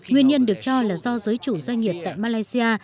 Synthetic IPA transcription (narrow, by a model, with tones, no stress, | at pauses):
ŋwi˧ənɲə˧nɗɨ˨˩ək̚t͡ɕɔ˧laː˨˩zɔ˧zəː˨˦jt͡ɕu˧˩zwa˧jŋ̟ŋi˨˩əp̚t̪a̰ː˧˨jmaː˧laː˧jsi˧ʔaː˧